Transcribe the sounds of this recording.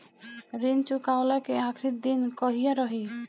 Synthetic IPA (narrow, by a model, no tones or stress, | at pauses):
ɾint͡ʃukaolakeãkʰɾit̪̚d̪inkɔɦijaɾɔɦi